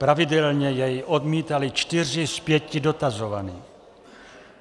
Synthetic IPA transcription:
pɾavɪdɛlɲɛjɛjʔod̪miːt̪alɪt͡ʃt̪ɪr̝ɪspjɛcɪdot̪azovaniː

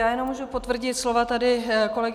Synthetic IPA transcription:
aːjɛnomːuːʒupo̞t̪vr̩ɟɪt̪slovat̪adɪko̞lɛɡ

